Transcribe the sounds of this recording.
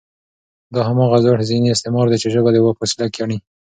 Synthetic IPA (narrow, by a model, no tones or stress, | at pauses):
d̪ɑɦamɑɣazɑʈzineɪst̪ɪmɑɾd̪et͡ʃeʒəɡɑd̪ewaposilakjɑɳi